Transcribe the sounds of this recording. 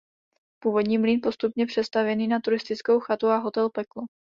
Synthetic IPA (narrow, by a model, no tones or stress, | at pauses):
puːvo̞dɲiːmliːnpo̞st̪upɲɛpr̝̥ɛst̪avjɛniːnat̪uɾɪst̪ɪt͡sko̞wxat̪uaɦo̞t̪ɛlpɛklo